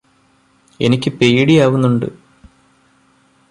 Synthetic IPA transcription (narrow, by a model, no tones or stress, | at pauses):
e̞nikʲːɨpe̞jɽijaːʋunːuɳɖɨ̰